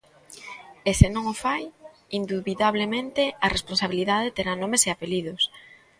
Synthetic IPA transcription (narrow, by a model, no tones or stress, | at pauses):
esɪnõŋofaj | ind̪uβiðaβlemẽnt̪eɐresponsaβiliðaðet̪eɾanõmeseapeliðʊs